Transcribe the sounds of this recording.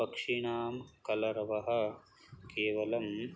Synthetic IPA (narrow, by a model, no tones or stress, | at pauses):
ɐkʂiɳaːmkɐlɐɾɐʋɐɦɐ̆ | keːʋɐlɐm